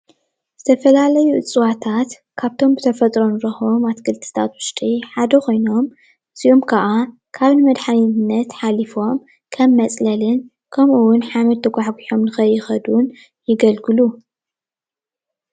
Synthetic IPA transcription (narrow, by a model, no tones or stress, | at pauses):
z̥ɨt̪ʰɐfɐlalɐjuʔɨ̰t͡sʼɨwat̪ʰat̪ | kʰaβt̪ʰo̞mbɨt̪ʰɐfɐt̪ʼɾo̞nɾɐxo̞mat̪kʰɨlt̪ʰɨ̥t̪ʰa̰t̪wʊʃt̪ʼiħad̪ɐkʰo̞jno̞m | ɨsiomkʰɐʔa | kʰaβnɨmɐd̪ħaninnːɐt̪ħalifo̞m | kʰɐmːɐt͡sʼlɐlɨn | kʰɐmʔuwʊnħamɐd̪̚t̪ʰɐɡʷaħɡiħomnɨxɐjːɪxɐd̪n | jɪɡɐlɡɨlu